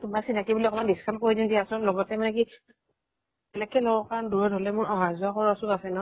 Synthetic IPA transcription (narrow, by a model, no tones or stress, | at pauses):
tumasintʰakibuliɔkɔmanbiskʰamkoɹidindiaasɔlɔɡɔtɛmanɛki | bɛlɛkɛlɔɡɔkaɹɔnduɹɔdʱɔlɛmʊɹɔɦazʊakɔɹɔsukasɛnɔ